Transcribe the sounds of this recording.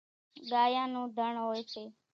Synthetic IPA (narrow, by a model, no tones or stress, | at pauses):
ɡaːjãːnũːd̪ʱəɳɦoːjt͡ʃʰeː